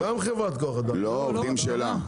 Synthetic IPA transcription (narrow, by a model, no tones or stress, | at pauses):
ɡamχevʁat̪koaχad̪aloovdimʃeːla